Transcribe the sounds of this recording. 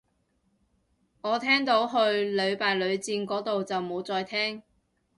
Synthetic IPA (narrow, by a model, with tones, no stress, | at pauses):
ŋɔː˨˧t̪ʰɛː˥ŋt̪o˨˥wɦɵ˧ɥlɵ˨˧ɥpaː˨jlɵ˨˧ɥt͡siː˧nkɔː˨˥t̪o˨wt͡sɐ˨wmo˨˧wt͡sɔː˧jt̪ʰɛː˥ŋ